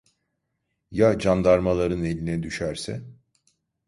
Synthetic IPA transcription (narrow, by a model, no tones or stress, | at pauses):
jad͡ʒand̪aɾmalˠaɾɯne̞lʲinɛd̪yʃæɾsɛ̰